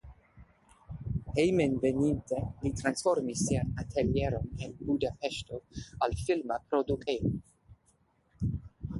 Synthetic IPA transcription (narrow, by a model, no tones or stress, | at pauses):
hejmenvenintelitɾansfo̞ɾmisːianatʰeljeɾo̞nenbudapeʃtoalfilmapɾodukeo